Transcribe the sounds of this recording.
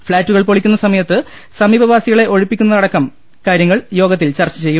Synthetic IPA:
fɭaːtːuɣɐɭpoɭikʲːunːɐsɐmɐjɐt̪ːɨ | sɐmiːbɐʋaːsiɣɐɭe̞ʔo̞ɻipːikʲːunːɐðɐɽɐkːɐm | kaːɾjɐŋːɐɭjo̞ːɡɐt̪ːilt͡ɕɐrt͡ɕːɐt͡ɕe̞jːu

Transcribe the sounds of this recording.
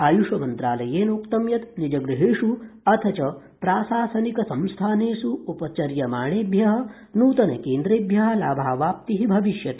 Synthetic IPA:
aːjuʂɐmɐnt̪ɾaːlɐjeːnukt̪ɐmjɐt̪nid͡ʒɐɡɾiɦeːʂuɐt̪ʰɐt͡ʃɐ | pɾaːsaːsɐnikɐsɐmst̪ʰaːneːsuupɐt͡ʃɐɾjɐmaːɳeːbʱjɐɦɐ̆ | nuːt̪ɐnḛkeːnd̪ɾeːbjɐɦɐ̆laːbʱaːʋaːp̚t̪iɦibʱɐʋiʃjɐt̪

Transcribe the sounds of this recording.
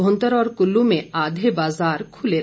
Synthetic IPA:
ɦõnt̪əɾɔːɾkʊlːũmẽaːd̪ʱebaːzaːɾkʰʊleɾ

